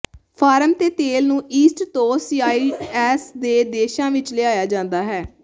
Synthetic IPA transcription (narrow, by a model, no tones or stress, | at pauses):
pʰaːɾəmt̪eːt̪eːlnũːʔiːsʈt̪oːsiːaːiːɛːsd̪eːd̪eːʃãːʋɪt͡ʃleaːjaːd͡ʒãːnd̪aːɦɛː